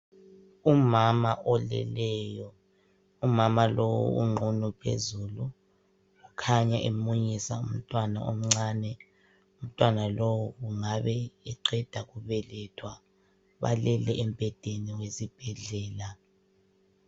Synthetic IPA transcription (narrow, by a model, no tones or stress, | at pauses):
umamaʔɔlɛ̰lɛjɔ | umamalowṵṵŋ͡ǃʱunupʰḛzulu | ɣukʰaɲaʔemuɲisaum̩tʼwana̰ʔom̩ŋ͡ǀaːnɛ | um̩tʼwanalowuɣuŋaβɛɛǃɛd̥ʱaɣuβɛlɛtʰwa | βa̰lɛlɛʔɛm̩b̥ʱɛd̥ʱeniwesib̥ʱɛɮɛːla